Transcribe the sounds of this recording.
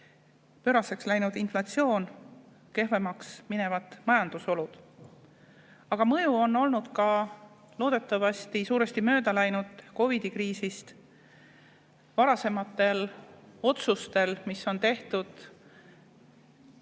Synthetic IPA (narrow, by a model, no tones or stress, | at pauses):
pø̞ːɾɑse̞kslæjnud̪̥inflɑt̪sio̞ːn | ke̞ɦve̞mɑksmine̞vɑt̪mɑjɑnd̪̥uso̞lud̪̥ | ɑɡ̥ɑmɤjuo̞no̞lnud̪̥kɑ | lo̞ːd̪̥e̞t̪ːˑɑvɑst̪isuːɾe̞st̪imø̞ːd̪ɑlæjnud̪̥ko̞vid̪̥ikɾiːsist̪ | vɑɾɑse̞mɑt̪ːˑe̞lo̞t̪sust̪e̞lmisːo̞nt̪e̞ht̪ud̪̥